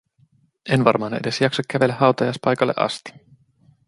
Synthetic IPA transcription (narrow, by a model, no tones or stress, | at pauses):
e̞nʋɑrmɑːne̞de̞sjɑksɑkkːæʋe̞lːehɑwt̪ɑjɑjspɑjkɑlːeʔɑ̰st̪i̥